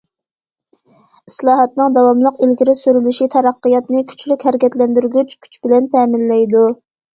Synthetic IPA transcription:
i̥slˠɑːɦɑt̪̚nɨŋd̪ɑwɑmlˠəqilɡʲiɾɪsyɾylyʃit̪ʰɛɾɑqːɨjɑt̪nɪkʲʰy̥t͡ʃʰlykʲhæɾɪkʲʰɛt̪lɛnd̪yɾɡʲyt͡ʃkʲʰy̥t͡ʃbɪlɛnt̪ʰɛːmɪlːɛjd̪u

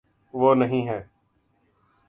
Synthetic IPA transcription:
ʋoːnəɦĩːɦɛː

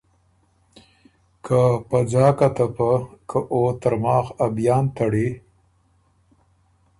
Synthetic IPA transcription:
kʰapad͡ʒɑːkat̪apəkʰəʔot̪əɾmɑːxabjɑːnt̪aɽi

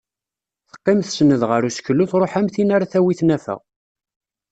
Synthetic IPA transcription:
θə̥qːɪmθsənəðʁəɾusçəlːuθɾˤoħæmθinaɾaθæwiθnæfæ̰ʁ

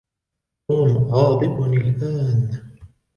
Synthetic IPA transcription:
uːmʕɑːd̪ˤɨbnalʔaːn

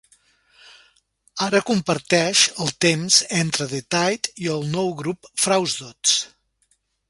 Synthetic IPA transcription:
aɾəkumpəɾt̪ɛʃəlˠt̪emzent̪ɾəðet̪ajt̪iəlˠnɔwɣɾupfɾawzðot̪s

